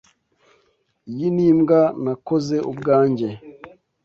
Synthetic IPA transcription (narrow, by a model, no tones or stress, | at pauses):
jiniːmɡanako̞ze̞ʔubɡaːɲɟe̞